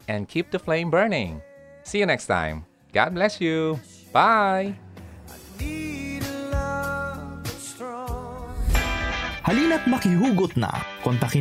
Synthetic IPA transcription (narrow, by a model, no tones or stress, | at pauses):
ʔɛ̃nkʰip̚d̪əflẽɪ̃mbɜ˞nɪ̰̃ŋ | siɨnɛkstʰã̰ɪ̃m | ɡ̥a̰d̚blɛsju | b̥aɪanidlʌ | stɹɔ | hɐliːnɐt̪̚mɐkiɦuːɡʊt̪̚nɐ̰kɔnt̪ɐkɪ